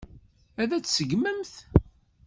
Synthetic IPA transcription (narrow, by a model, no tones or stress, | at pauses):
æðæt͡sːsəɡməmθ